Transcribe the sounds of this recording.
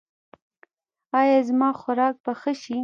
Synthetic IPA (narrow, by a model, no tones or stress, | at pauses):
ɑjɑzmɑxʊɾɑk̚baxəʃi